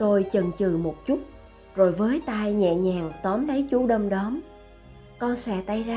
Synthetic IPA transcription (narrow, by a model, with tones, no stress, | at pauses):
t̪o˧jt͡ɕə˨˩nt͡ɕɨ˨˩mo˨˩t̚t͡ɕu˦˥t̚ | zo˨˩jvəː˨˦jt̪aː˧jɲɛ̰˧˨ɲaː˨˩ŋt̪ɔ˨˦mlə˨˦jt͡ɕu˧˦˥ɗə˧mɗɔ˨˦m | kɔ˧nswɛ̰˧˨t̪a˧jzaː˧